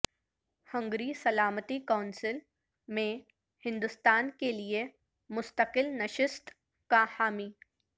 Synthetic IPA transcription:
hə̃ŋɡɾiːsɐlaːmət̪ikaʊnsɪl | mẽ | hɪ̃nd̪ʊst̪aːnkelie | mʊst̪əqɪlnɐʃɪst̪ | kahaːmiː

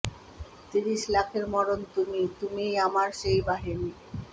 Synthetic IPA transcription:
t̪iɾiʃlakʰeɾmɔɾont̪umit̪umijamaɾʃejbaɦini

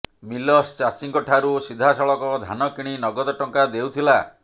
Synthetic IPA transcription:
milɔst͡ʃat͡ʃiŋkɔʈʰaɾusid̪ʱasɔɭɔkɔd̪ʱa̰nɔkiɽ̃inɔɡɔd̪ɔʈɔŋkad̪ewt̪ʰila

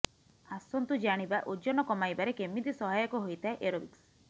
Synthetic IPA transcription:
asɔnt̪ud͡ʒaɽ̃ibaʔud͡ʒɔnɔkɔmajbaɾekemid̪isɔɦajɔkuɦojt̪ʰaeʔeɾobiks

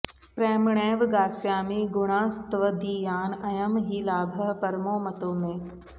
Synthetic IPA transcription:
pɾɛːmɳɛːʋɡaːsjaːmẽɡʊɽ̃ãːst̪ʋəd̪iːjaːnɐjɐmɦiːlaːbʱəpɐɾmoːmɐt̪oːmẽː

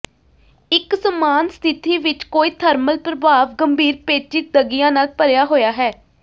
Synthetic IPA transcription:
ɪksəmaːnst̪ʰɪt̪iːʋɪt͡ʃkoːiːt̪ʰəɾməlpɾəbaːʋɡəmbʱiːɾpeːt͡ʃɪk̪̚d̪əɡɪjãːnaːlpəɾjaːɦoːjaːɦɛː

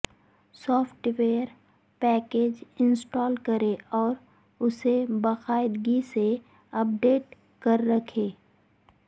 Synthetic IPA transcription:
sɔːpʰʈweːəɾ | pɛːkeːd͡ʒɪ̃nsʈɔːlkɐɾeɔːɾ | ʊsebɐxaːɪd̪ɡise | ɐp̚ɖeːʈ | kɐɾːɐkʰeː

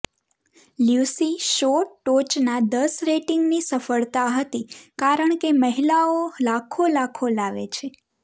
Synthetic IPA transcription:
ljusiʃoʈot͡ʃnad̪əsɾeʈiŋɡnisəfəɭt̪aɦət̪ikaɾəɳkeməɦilaolakʰolakʰolaʋḛt͡ʃʰe

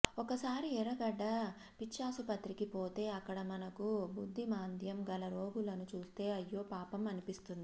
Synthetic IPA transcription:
ɔkɐsaːɾiɛɾɐɡɐɖːɐ | pit͡ʃːaːsupɐt̪ɾikipo̞ːt̪e̞ːɐkːɐɽɐmɐnɐkubud̪ʱːimaːnd̪ʱjɐmɡɐlɐɾoːɡulɐnut͡ʃuːst̪e̞ːɐjːo̞ːpaːpɐmɐnipist̪und̪ii

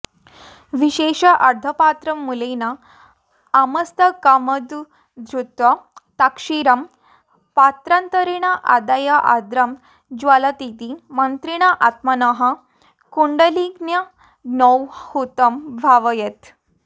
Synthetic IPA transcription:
ʋiɕeʂɐʔɐɾd̪ʱəpat̪ɾɐmːulenaː | mɐst̪əkaməd̪ | d̪ɾut̪ʋɐt̪akʂiɾɐm | pat̪ɾant̪əɾiɽ̃aʔa̰d̪ajaʔa̰d̪ɾɐm | d͡ʑʋalat̪it̪imɐnt̪ɾiɽ̃aʔat̪mɐnɐɦa | kuɳɖəliɡnjɐ | nɔwhut̪ɐmbʱaʋəjet̪

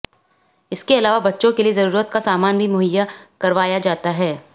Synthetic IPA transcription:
ɪskeɐlaːʋabɐtːʃõkeliezɐɾuːɾət̪̚kasaːmaːnbʱimʊɦəjːakɐɾʋaːjad͡ʒaːt̪aɦɛː

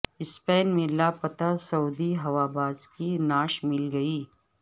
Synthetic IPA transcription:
ɪspɛːnmẽlapɐt̪asɐuːd̪iɦɐwaːbaːzkinaːʃmɪlɡɐiː

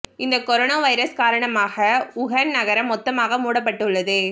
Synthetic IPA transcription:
ɪnd̪ɐkɔɾoːnaːʋɐɪɾɐskaːɾɐɳɐmaːɣɐʊɣɐnnɐɣɐɾɐmːɔt̪ːɐmaːɣɐmuːɽɐp̬ːɐʈːɯɭːɐðɯ

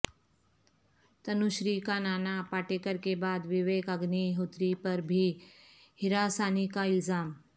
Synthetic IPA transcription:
t̪ɐnuʃɾiːkanaːnapaːʈeːkəɾkebaːd̪ʋɪʋeːkɐɡniɦot̪ɾipɐɾbʱi | hɪɾaːsaːnikaɪlzaːm

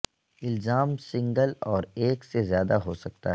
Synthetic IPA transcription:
ɪlzaːmsɪ̃ŋɡəlɔːɾeːksezjaːd̪aɦosɐk̚t̪aɦ

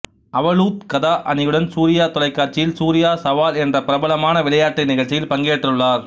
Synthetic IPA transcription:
ʔɐʋɐɭuːt̪̚kɐðaːʔɐnɪjɯɽɐnsuːɾɪjaːt̪ɔlɐɪkːaːɾt͡ʃːɪjɪlsuːɾɪjaːsɐʋaːlɛndrɐpɪɾɐbɐlɐmaːnɐʋɪlɐjaːʈrɐnɪɣɐɭt͡ʃːɪjɪlpɐŋɡeːʈːrɯɭːaːɾ

